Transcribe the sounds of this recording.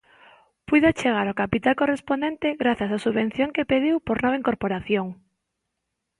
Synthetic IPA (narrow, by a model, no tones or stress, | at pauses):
pujðʊat͡ʃeɣaɾokapit̪alkorespond̪ent̪eɣɾaθjasasuββen̟θjoŋkepeð̞iwpoɾnɔβeiŋkoɾpoɾaθjoŋ